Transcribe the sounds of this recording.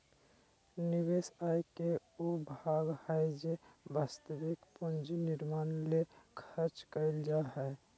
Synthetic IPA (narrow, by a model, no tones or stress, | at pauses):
niβesajke | ubʱaɡhəjd͡ʒebaːst̪əbikpund͡ʒnɪɾmaːnlekʰəɾt͡ʃkəld͡ʒaɦɛ